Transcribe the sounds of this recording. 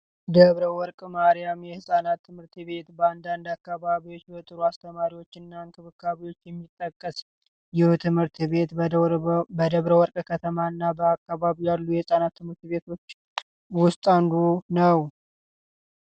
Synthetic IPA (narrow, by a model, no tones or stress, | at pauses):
d̪əβɾəwɔɾkʼmaɾijamjɛhɨsʼanat̪ʰːɨmɨɾt̪βe̞t̪bəand̪and̪akːaβaβiwo̞t͡ʃːbɛt̪ʼɨɾuast̪ʰəmaɾiwo̞t͡ʃːɨnːaŋkʰɨβɨkːaβiwo̞t͡ʃːjɛmːit̪ʼːəkʼːəs | jɛht̪ʰɨmhɨɾt̪βe̞t̪ | bəd̪əβɾəwɔɾkʼkʰət̪ʰəmanːabəakːaβaβijalːujɛhɨsʼanat̪ːɨmɨɾt̪βe̞t̪ʰo̞t͡ʃː | wʊst̪ʼand̪unəw